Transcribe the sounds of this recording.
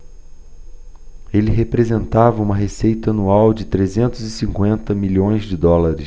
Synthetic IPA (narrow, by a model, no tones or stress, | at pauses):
elɪɦepɾezẽnt̪avɐũmɐɦesejt̪ɐɐnuawd͡ʒɪt̪ɾezẽnt̪ʊzɪsĩŋkwẽnt̪ɐmiʎõj̃zd͡ʒɪd̪ɔlaɾɪs